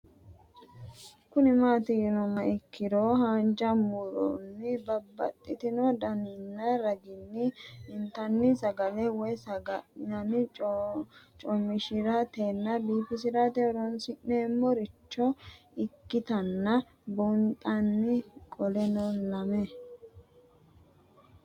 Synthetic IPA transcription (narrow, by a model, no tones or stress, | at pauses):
kʊnɪmaːt̪ɪjɛnɔmɐɪkːɪd̪oːhand͡ʒɐmʊɾo̰nːɪbɐbːɐ̰t̪ʼːɪt̪ɪnɔd̪ɐnɪnːɐɾɐɡɪnːɪɪnt̪ɐnːɪsɐɡɐlɛwɔjsɡɐɐnɪ | t͡ʃʼɔmːɪʃɪɾɐt̪eːnːɐbiːfɪs̬ɪɾat̪ɛɔɾɔnsɪʔneːmːɔɾɪt͡ʃːɔ | ɪkːɪt̪ɐnːɐ | bʊnt̪ʼɐnːɪkʼɔlɛnolɐmɛ